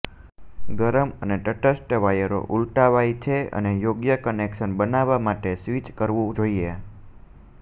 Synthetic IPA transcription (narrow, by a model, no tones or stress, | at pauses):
ɡəɾəməneʈəʈəsʈʋajəɾo̰ʔulʈaʋait͡ʃʰeə̰nejoɡjəkənekʃənbənaʋamaʈesʋit͡ʃkəɾʋũd͡ʒoie